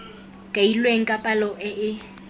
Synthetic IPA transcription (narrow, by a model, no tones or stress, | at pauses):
kʼailweŋ̩kʼapʼalɔʔɛʔɪ